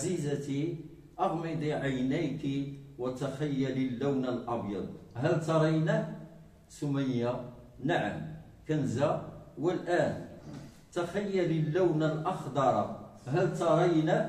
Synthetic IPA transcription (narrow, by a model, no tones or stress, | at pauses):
zizæt̪i | ʔɑɣmɪd̪ˤiʕajnæjt̪iwət̪axæjːælilːæwnalʔɑbjɑ̰d̪̚ˤɦælt̪ɑɾˤɑjnæ | sumænja | naʕə̰m | kænzæwəlʔæn | t̪axæjːælilːæwnalʔɑxd̪ɑɾˤɑɦælt̪ɑɾˤɑjnæ